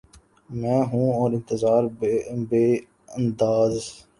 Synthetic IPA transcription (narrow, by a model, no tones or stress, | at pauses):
mɛ̃ːɦũːɔːɾɪ̃nt̪əzaːɾbeː | ənd̪aːz